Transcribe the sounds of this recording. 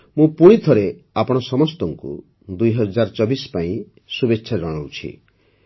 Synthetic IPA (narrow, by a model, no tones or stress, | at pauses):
mũpuɽ̃it̪ʰɔɾe | apɔɽ̃ɔsɔmɔst̪ɔŋkṵ | d̪ujɦɔd͡ʒaɾɔt͡ʃɔbispaĩ | subetːʃʰaɾeɾɔɽ̃ɔwt͡ʃʰḭ